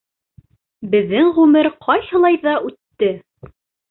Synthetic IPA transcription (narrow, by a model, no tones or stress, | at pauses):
bɘ̆ðːɘŋʁʉmɘɾqʰɑjhɤ̆lˠɑjðɑʔʉt̪ːɘ